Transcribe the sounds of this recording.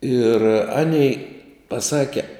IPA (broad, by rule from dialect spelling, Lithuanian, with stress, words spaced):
ɪr ˈɑːnʲɛɪ pɐˈsɑːkʲɛ